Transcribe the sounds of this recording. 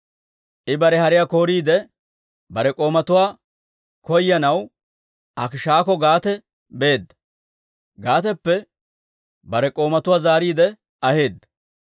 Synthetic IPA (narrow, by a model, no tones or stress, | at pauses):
ʔɪbɐɾɛhɐɾɪjako̞ːɾiːd̪ɛ | bɐɾɛkʼo̞ːmɐt̪ʊwaː | kɔjːɐnɐw | ʔɐkɪʃaːkɔɡaːt̪ɛ | be̞ːd̪ːɐ | ɡaːt̪ɛpːɛ | bɐɾɛkʼo̞ːmɐt̪ʊwaːzaːɾiːd̪ɛ | ʔɐhe̞ːd̪ːɐ